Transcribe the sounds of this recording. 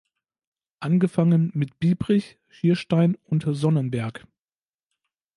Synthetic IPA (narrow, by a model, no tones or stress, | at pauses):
ʔanɡəfaŋənmɪtb̥iːbʁɪç | ʃiːɐʃtaɪnʊntzɔnənbɛɐk